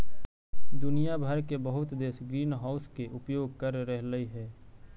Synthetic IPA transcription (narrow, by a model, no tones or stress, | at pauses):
d̪ʊnijabʱəɾkebəɦʊt̪d̪eːsɡɾiːnɦaːʊskeʔʊpjoːɡ̚kəɾːəɦləiɦɛː